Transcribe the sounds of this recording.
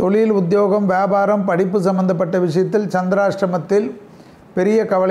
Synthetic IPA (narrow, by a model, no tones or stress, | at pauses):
t̪ɔlɪjɪlʊd̪joːɣɐmʋjaːbaːɾɐmpɐɽɪpːɯs̬ɐmːɐnd̪ɐp̬ːɐʈːɐʋɪʂɐjɐt̪ːɪlt͡ʃɐnd̪ɾaːʂɾɐmɐt̪ːɪl | pɛɾɪjɐkɐʋɐɭ